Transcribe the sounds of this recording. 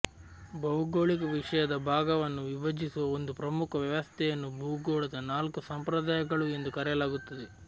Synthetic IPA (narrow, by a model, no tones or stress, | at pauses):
bɐwuɡoːɭikɐʋiʂɐjɐd̪ɐbʱaːɡɐʋɐnːuʋiʋɐd͡ʒisuʋɐond̪upɾɐmukʰɐʋjɐʋɐst̪ʰɛjɐnːubʱuɡoːɭɐd̪ɐnaːlkusɐmpɾɐd̪aːjɐɡɐɭue̞nd̪ukɐɾɛjlaːɡut̪ːɐd̪e